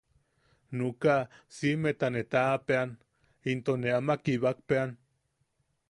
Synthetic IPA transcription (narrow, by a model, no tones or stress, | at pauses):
nukasimet̪anet̪apean | int̪oneamakiβak̚pean